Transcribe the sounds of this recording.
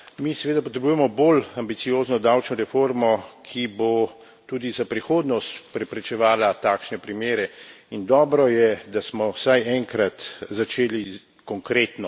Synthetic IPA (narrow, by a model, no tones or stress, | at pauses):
misɛʋeːd̪apɔt̪ɾɛbujɛmɔbolambit̪sijoːznɔd̪awt͡ʃnɔɾɛfoːɾmɔkʰibo | t̪uːd̪izapɾixoːd̪nɔst̪pɾɛpɾɛt͡ʃɛʋaːlat̪aːkʃnɛpɾimeːɾɛind̪ɔːbɾɔjɛd̪asmɔwsajɛŋkɾat̪zat͡ʃeːli | kɔŋkɾeːt̪nɔ